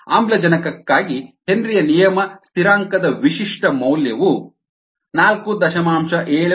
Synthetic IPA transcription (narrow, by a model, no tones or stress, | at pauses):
a̰ːmblɐd͡ʒɐnɐkɐkːaːɡihenɾijɐnijɐmɐst̪iɾaːŋkɐd̪ɐʋiʃiʂʈɐmɐwljɐʋu | naːlkud̪ɐʃɐmaːmʃɐʔeːɭ